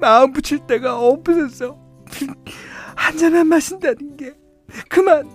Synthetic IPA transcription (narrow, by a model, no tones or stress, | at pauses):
maɯmbut͡ɕʰiɭt͈e̞ɡaʌpɯnʌs͈ʌ | hand͡ʑananmaɕʰindanɯnɡe | kɯman